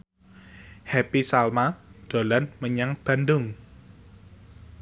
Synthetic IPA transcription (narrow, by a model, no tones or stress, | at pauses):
hɛpisalmad̪̥o̤lanməɲaŋb̥a̤ndʊŋ